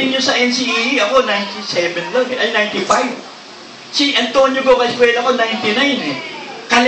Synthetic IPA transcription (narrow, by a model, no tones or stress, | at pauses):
ɪŋɲosɐʔɛnsiʔiiʔɐko̞najnt̪isɛvɛnlaŋʔɐjnajnt̪ifajv | siʔɐnt̪onjobokɐɪskwɛːlaɐko̞najnt̪ɪnajnɛkɐl